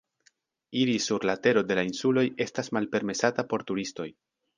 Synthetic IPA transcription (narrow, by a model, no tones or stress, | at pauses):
iɾisuɾlate̞ɾo̞de̞lainsulo̞je̞stasmalpe̞ɾme̞satapo̞ɾtuɾisto̞j